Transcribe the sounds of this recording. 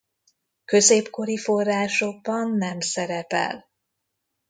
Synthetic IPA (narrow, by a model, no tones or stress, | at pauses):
kø̞zeːpko̞ɾifo̞rːaːʃo̞ɡ̚bɒnːɛmsɛɾɛpɛ̰l